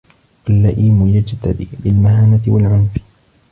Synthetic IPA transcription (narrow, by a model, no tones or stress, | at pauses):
ʔalːaʔiːmʊjad͡ʒt̪a̰d̪ɪbɪlmahaːnat̪ɪwalʕʊnf